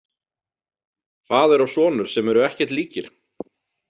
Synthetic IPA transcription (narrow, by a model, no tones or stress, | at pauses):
θaːðɛɾawsɔːnʏɾ̥sɛmɛɾʏɛhcɛɾ̥t̪liːcɪɾ̥